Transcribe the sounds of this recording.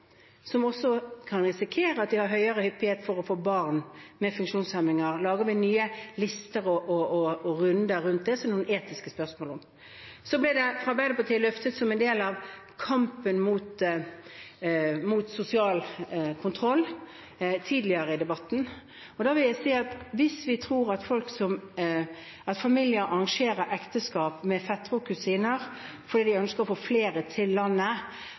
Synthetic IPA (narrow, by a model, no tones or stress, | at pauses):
sɔmɔsːɔkʰɑnɾɪsɪkʰeːɾəɑt̪̚d̪ɪhɑɾɦœʏəɾəhʏpːɪheːt̪fɔɾɔfoːbɑʁnmɛfʉŋkʂuːnshɛmɪŋəɾlɑːɡəʋɪnyːəlɪst̪əɾɔʔɔʔɔɔɾʉnd̪əːʉnt̪̚d̪ɛsɔmnuːəneːt̪ɪskəspœʁsmoːlɔm | sɔblɪd̪ɛfɾɑbæɪd̪əpɑʁt̪ʰiːlœft̪ət̪sɔmɛnd̪eːlɑʋ | kʰɑmpənmuːt̪ | muːt̪sʊsɪɑːlkʰʊnt̪ʰʁɔlː | t̪ʰiːd̪lɪəɾəɪd̪ɛbɑt̪ːn̩ | ɔd̪ɑːʋɪljæɪsiːɑt̪ʋɪsʋɪt̪ʰɾuːʁɑt̪fɔlksɔm | ʔɑt̪fɑmɪljəɾʔɑʁɑŋʂeːɾəɾʔɛkt̪əskɑːpmɛfɛt̪ːfʊkʉsiːnəʁ | fɔdiːd̪ɪœnskəɾɔfoɔːfleːɾət̪ʰɪlːɑnːə